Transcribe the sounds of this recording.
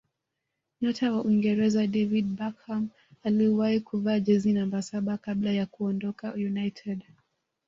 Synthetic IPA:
ɲɔtʰawaʔiŋɡɛɾɛzaɗɛvid̚bakham | aliwahikuvaːd͡ʒɛzinambasaɓakaɓlajakuɔndɔkaujunajtʰɛd

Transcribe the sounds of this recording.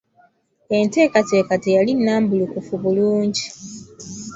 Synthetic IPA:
e̞nte̞ːkate̞ːkatejalinːaːmbulukufuβuluːɲɟi

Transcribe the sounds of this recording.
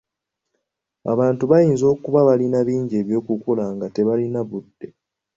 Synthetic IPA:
a̰βaːntuβajiːnzo̞ːkuβaβalinaβiːɲɟe̞ːβjo̞ːkukolaːŋɡate̞βalinaβudːe̞

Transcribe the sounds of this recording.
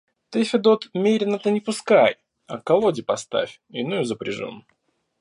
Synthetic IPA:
t̪ɨfʲɪd̪ot̪mʲeɾʲɪnət̪ənʲɪpʊskaj | ɐkɐlˠodʲɪpɐst̪a̰fʲ | ɪnujʊzəpɾʲɪ̰ʐṵn

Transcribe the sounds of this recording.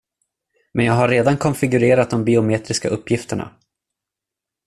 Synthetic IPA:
mɛnjaːɡɦaɾːeːd̪ankʰɔnfɪɡɵɾeːɾat̪̚d̪ɔmbɪʊmeːt̪ɾɪskaʔɵpːjɪft̪əɳa̰

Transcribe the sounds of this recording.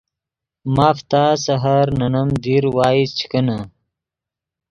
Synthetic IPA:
maːft̪aːsɐɦɐɾnɐnɐmd̪iːɾwaːist͡ɕʰi̥kɐna

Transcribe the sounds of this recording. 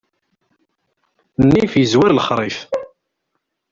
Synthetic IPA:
nːifjəzwæɾləχɾˤɪf

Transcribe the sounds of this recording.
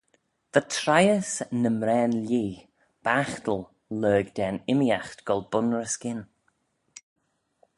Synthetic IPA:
ðətʰɾajəsnəmɾɛːnliː | b̥axtəlˠ | løːɡd̪ɛːnɪmijaxtɡ̥ɔlˠbʊnɹəskɪn

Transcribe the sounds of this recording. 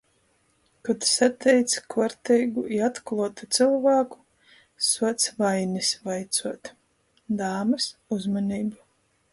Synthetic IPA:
kɔt̪sat̪ʰɛjt̪skɔɔɾt̪ɛjɡuʔiat̪klˠuɔt̪ut̪sɨlˠvaːku̥ | suɔt̪svajnisvajt̪suɔt̪ | d̪aːmɨsuzmɔnʲiːbu

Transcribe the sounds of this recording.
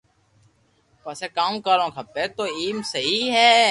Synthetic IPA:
pəseːkaːmkaːɾõːkʰəpeːt̪oːiːmsəɦiːɦɛː

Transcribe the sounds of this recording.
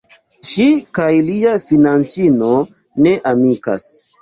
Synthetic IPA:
ʃikajliafinant͡sino̞ | ne̞ʔamika̰s

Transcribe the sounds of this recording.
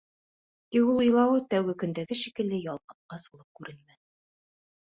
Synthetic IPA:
t̪iulˠŏjlˠɑwɤt̪æwɡɘkɵ̆nd̪æɡɘʃikɘ̆lːɘjɑlˠqɤ̥̆p̚qɑsbulˠɤp̚kʉɾʔɘnmæ

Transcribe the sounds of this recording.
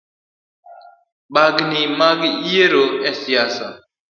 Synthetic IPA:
ɓaɡnimaɡieɾoɛsijasa̰

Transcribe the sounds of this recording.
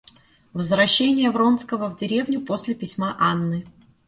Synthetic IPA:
vəzvɾɐɕːenʲɪjəvɾo̞nskəvəvdʲɪɾʲe̞vnʲʊpo̞sʲlʲɪpʲɪsʲmaʔanːɨ

